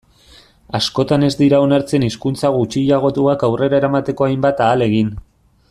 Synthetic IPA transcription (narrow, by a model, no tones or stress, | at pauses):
asko̞t̪ane̞zd̪iɾao̞naɾt͡se̞niskunt͡saɣ̞ut͡ʃiʎaɣ̞o̞t̪uakawre̞ɾae̞ɾamat̪e̞ko̞ajmbat̪aːle̞ɣ̞in